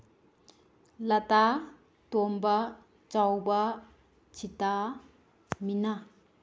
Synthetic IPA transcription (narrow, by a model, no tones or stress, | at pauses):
lata | tomba | t͡ʃawbɐ | t͡ʃʰita | mina